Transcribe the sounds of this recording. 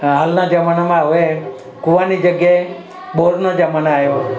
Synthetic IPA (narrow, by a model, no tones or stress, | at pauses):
ɦalnad͡ʒəmanamãʋe | kuʋanid͡ʒəɡjae | ɓoɾnod͡ʒəmanajo